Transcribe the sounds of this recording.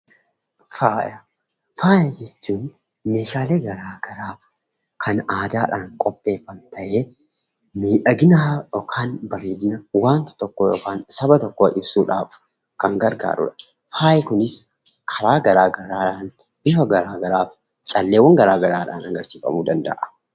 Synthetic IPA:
faːjɐ | faːjɐd͡ʒɛt͡ʃːuːn | me̞ːʃaːleːɡɐɾaːɡɐɾaː | kʰɐnaːd̪aːᶑaːŋkʼɔpʼːe̞ːfːɐmt̪ʰɐʔeː | miːᶑɐɡɪnaːjɔːkʰaːnbɐreːd̪ɪnɐwaːnt̪ɐ̥t̪ɔkːoːjoːkaːnsɐbɐt̪ɔkːoːʔɪbsuːᶑa̰ːf | kɐŋɡɐɾɡa̰ːɾʊ̰ᶑɐ̥ | faːjkʊnɪs | kʰɐɾaːɡɐɾaːɡɐɾaːᶑaːn | b̥ɪfɐɡɐɾaːɡɐɾaːf | t͡ʃʼɐlːeːwɐŋɡɐɾaːɡɐɾaːᶑa̰ːnɐŋɡɐɾsiːfɐ̰muːd̪ɐnd̪ɐ̰ʔɐ̥

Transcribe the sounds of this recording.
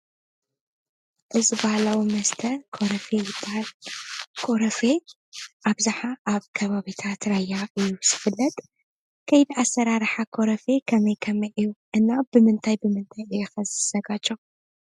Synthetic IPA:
ʔɨzibahlawimɐst̪ʰɐɾkʰoɾɐfet̪ʼ | kʰoɾɐfe | ʔaβzaħaʔaβkʰɐβaβit̪ʰat̪ɾajːaʔɨjːuz̥ɨfɨlːɐt̪ʼ | kʰɐjd̪iasːɐɾaɾħakʰo̞ɾɐfekʰɐmɐjkʰɐmɐjʔɨjuʔɨnːabɨmɨnt̪ʰajbɨmɨnt̪ʰajɨjɛxɐzɨz̥ɐɡat͡ʃʼːo

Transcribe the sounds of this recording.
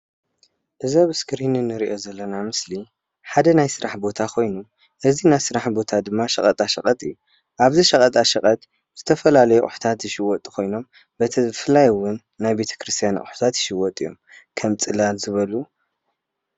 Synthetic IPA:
ʔɨzaβɨskɨɾinɨnːɨɾiʔo̞zɐlːɐnamɨsli | ħad̪ɐnajsɨɾaħbo̞t̪ʰakʰo̞jnu | ʔɨzinajsɨɾaħbo̞t̪ʰad̪ɨmːaʃɐkʼɐt̪ʼaʃɐkʼɐt̪ʼɨjːu | ʔaβziʃɐkʼɐt̪ʼaʃɐkʼɐt̪ | z̥ɨt̪ʰɐfɐlalɐjuʔʼʊħu̥t̪ʰat̪jɪʃɪwɔt̪ʼikʰo̞jno̞m | bɐt̪ʰɐfɨlajwʊnːajbe̞t̪ʰɐ̥kʰɾɨst̪ʰijanʔʼħu̥t̪ʰat̪jɪʃɪwɔt̪ʼijo̞̰mkʰɐmt͡sʼɨlalzɨβɐlu

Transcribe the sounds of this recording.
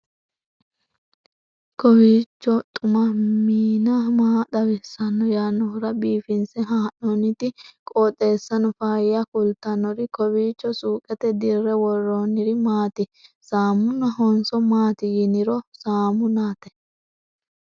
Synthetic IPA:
kɔwiːt͡ʃːɔt̪ʼʊmɐmiːnɐmaːd̪ɐwɪsːɐnːɔjaːnːɔhʊɾɐbiːfɪnsɛɦaːnːɔnɪt̪ɪkʼɔːt̪ʼːe̞ːsːɐnɔfaːjɐkʊlt̪ɐnːɔɾɪkɔwiːt͡ʃːɔsuːkʼɛt̪ɛd̪ɪrːɛwɔrːoːnɪɾɪmaːt̪ɪsaːmʊnɐɦɔnsɔmaːt̪ɪjɪnɪɾɔsaːmʊnaːt̪ɛ

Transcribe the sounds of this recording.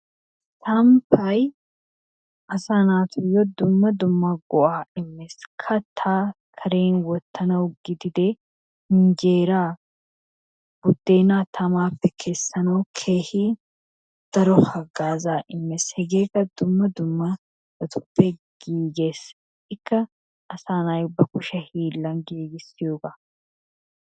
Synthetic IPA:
t̪ɐmpʰɐj | ʔɐsaːnaːt̪ʰʊjɔd̪ʊmːɐd̪ʊmːɐɡɔʔaːɪmːeskʰɐt̪ʰaː | kʰɐɾeːnwɔt̪ːɐnɐʊɡɪd̪ɪd̪e | hɪnd͡ʒeːɾaː | b̥ʊd̪ːe̞ːnaːt̪ʰɐmaːfːɛkʰe̞ːsːɐnɐwkʰe̞ːhi | d̪̥ɐɾɔhɐɡaːzaːʔɪmːeshɛɡe̞ːkɐd̪ʊmːɐd̪ʊmːɐ | bɐt̪ʼʊ̥pːɛɡ̥iːɡeːs | ɪkːɐ | ʔːsaːnɐjʊbːɐkʊʃɐhiːlːɐnɡiːɡɪsɪjoːɡɐ

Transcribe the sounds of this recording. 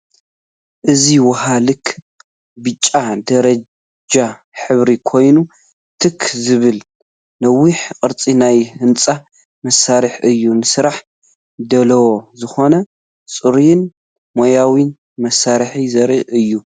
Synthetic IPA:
ʔɨziwɐɦalɨkʰ | bɨt͡ʃʼːad̪ɐɾɐ | d͡ʒa | ħɨβɾikʰo̞jnu | t̪ʰɨkʰzɨβɨl | nɐwːiħkʼɨɾt͡sʼinajhɨnt͡sʼa | mɐsːaɾɨħɨjːunɨsɨɾaħ | d̪ɐlɐwozɨxo̞nɐ | t͡sʼɨɾjɪn | mojawin | mɐsaɾħizɐɾiʔɨjːu

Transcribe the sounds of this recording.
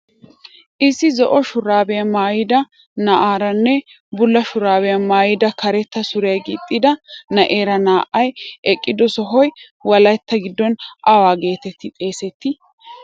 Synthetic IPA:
ʔɪsːɪzɔʔɔʃʊɾaːbɛjɐmaːjɪd̪ɐ | nɐʔaːɾɐnːɛ | bʊlːɐʃʊɾaːbɛjɐmaːjɪd̪ɐkɐɾɛt̪ːɐsʊɾɛjɐɡḭt̪ʼːɪd̪ɐnɐʔeːɾɐnaːʔɐjʔɛkʼːɪd̪ɔsɔɦɔj | wɐlɐjt̪ːɐɡɪd̪ːɔnʔɐwaːɡe̞ːt̪ɛt̪ːɪt̪ʼe̞ːsɛt̪ːɪ

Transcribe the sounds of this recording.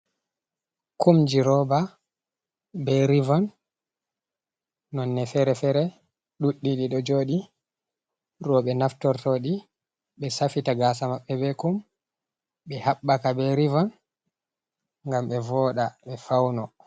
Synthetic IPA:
kumd͡ʒiɾɔba | bɛɾivɔn | ɔnːɛfɛɾɛfɛɾɛ | ɗuɗːiɗiɗɔd͡ʒoːɗi | ɾɔɓɛnaftɔɾtoɗi | ɓɛsafitaɡasamaɓːɛbɛkum | ɓɛhaɓːakabɛɾivɔn | ŋɡamɓɛvɔːɗaɓɛfawnɔ

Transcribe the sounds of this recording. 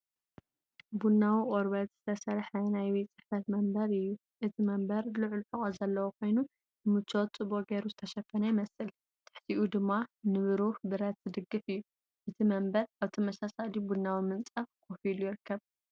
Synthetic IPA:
bunːawiʔʼoɾbɐt̪z̥ɨt̪ʰɐsɐɾħɐnajwet͡sʼɨħfɐt̪mɐmbɐɾɨjːu | ʔɨt̪ʰimɐmbɐɾlɨʕlħɨχʼozɐlːɐwokʰo̞jnu | nɨmɨt͡ʃʰːot̪t͡sʼɨboɡeɾuzɨt̪ʰɐʃɐfːɐnajɪmɐsɨl | t̪ʰɨ̥ħt̪ʰiʔud̪ɨmːanɨβɨɾuħbɨɾɐt̪z̥ɨd̪ɨɡːɨfɨjːu | ʔɨt̪ʰimɐmbɐɾaβt̪ʰɐmɐsasalibunːawimɨnt͡sʼɐkʰofilujɪɾɨkːɐβ

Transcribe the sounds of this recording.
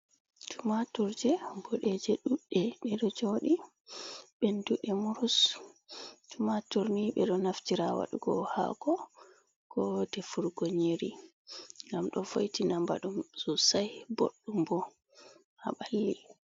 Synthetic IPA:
tʰumatuɾd͡ʒɛɡɔɗɛd͡ʒɛɗuɗːɛɓɛɗɔd͡ʒoɗi | ɓɛnduɗɛmuɾus | tumatuɾniɓɛɗɔnaftiɾawa̰ɗuɡɔ̰ha̰ɡɔ | kɔdɛfuɾɡɔɲeɾi | ŋɡamɗɔfo̰jtinamba̰ɗumsɔsajbo̰ɗːumbɔ | ha̰ɓalːi

